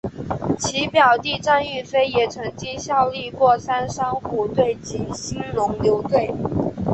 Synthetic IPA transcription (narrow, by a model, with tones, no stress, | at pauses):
t͡ɕʰi˧˥pjɑ˨˩ʊt̪i˥˧ʈ͡ʂa˥˧ny˥˩fe˥ɪjɛ˨˩t͡sʰɤ˧˥ŋt͡ɕi˥ɕjɑ˥˧ʊli˥˧kwɔ˥˩sa˥nʂɑ˥ŋxu˨˩t̪we˥˩ɪt͡ɕi˨˩nɕi˥nlʊ˧˥ŋljo˧˥ʊt̪we˥˩ɪ